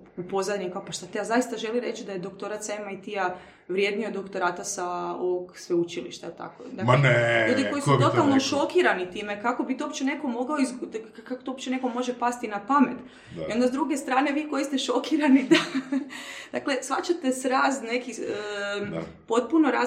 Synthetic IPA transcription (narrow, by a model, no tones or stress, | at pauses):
upo̞zad̪ɲikaopaʃt̪at̪ejazajist̪aʒe̞liɾe̞t͡ʃid̪ajed̪o̞kt̪o̞ɾat̪saemajt̪ija | ʋɾje̞d̪niod̪ːokt̪o̞ɾaːt̪asao̞ʋoɡsʋeut͡ʃilḭʃt̪aelt̪a̰ko̰d̪aeneuːd̪iko̞jisut̪ot̪alˠnoʃo̞kiɾanit̪iːmekako̞bit̪oopt͡ɕene̞ko̞mo̞ɡaoizkakot̪oopt͡ɕene̞komo̞ʒepast̪inapame̞t̪ | io̞nd̪azd̪ɾuɡe̞st̪ɾaːne̞ʋiːko̞jist̪eʃo̞kiɾanid̪a | d̪̥akle̞sʋa̰t͡ʃat̪e̞sɾaːzne̞ki | po̞t̪̚puno̞ɾa